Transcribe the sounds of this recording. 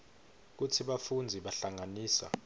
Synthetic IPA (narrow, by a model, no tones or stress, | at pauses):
k̬utʰiɓafund͡zʱiɓaɬaŋaniːsa̰